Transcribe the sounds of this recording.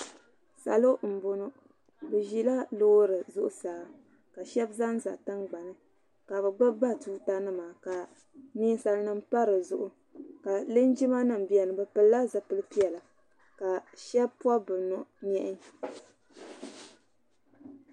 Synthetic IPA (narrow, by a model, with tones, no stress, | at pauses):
sa̰˨lo˦ʔm̩˨bo˨no˦ | bɨ˨ʒi˦la˦loː˦ɾɨ˨zʊ˦ʔʊ˦saː˨ | ka˨ʃɛ˦bza˦n˦za̰˨tɨ˦ŋɡ͡ba˨nɨ˦ | ka˨βɛ˨ɡ͡bɨ˦bba˦˨tuː˦ta˦nɨ˦maː˨ka˨ | niː˦n˦sa˨lnɨ˦mpa˦ɾɨ˨zʊ˦ʔʊ˦ | ka˨lɨ˦nd͡ʒi˦ma˦nɨ˨m˨bi˨ɛ˨nɨ˨bɨ˨pɨ˨lla˦zɨ˨pɨ˨lɨ˦pi˦ɛ˨la˨ | ka˨ʃɛ˦b̚pwa˦bɨ˨nɔ˨ʔɲɛ˦ʔɪ˦